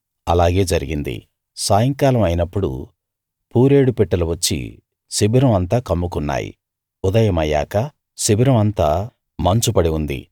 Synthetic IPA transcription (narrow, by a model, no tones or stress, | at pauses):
ɐlaːɡe̞ːd͡ʒɐɾiɡind̪ḭ | saːjɐŋkaːlɐmɐjinɐpːuɽṵ | puːɾe̞ːɽupɛʈːɐlɐʋɐt͡ʃːḭ | sibiɾɐmɐnt̪aːkɐmːukunːa̰ːjḭ | ud̪ɐjɐmɐjːa̰ːkɐ | sibiɾɐmɐnt̪aː | mɐɲt͡ʃupɐɽiund̪ḭ